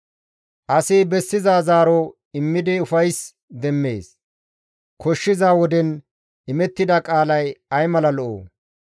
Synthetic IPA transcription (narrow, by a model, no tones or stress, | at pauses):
ʔɐsɪbɛsːɪzaːzaːɾɔ | ɪmːɪd̪ɪʊfɐjs | d̪ɛmːḛːs | kʰɔʃːɪzaːwɔd̪ɛn | ɪmɛt̪ːɪd̪ɐkʼaːlɐjɐjmɐlɐlɔʔo̰ː